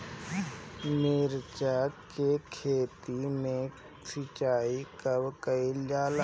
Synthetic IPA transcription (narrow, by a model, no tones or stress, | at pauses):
meːɾt͡ʃakekʰeːt̪imẽ | sɪt͡ʃaːikəbkəiljaːl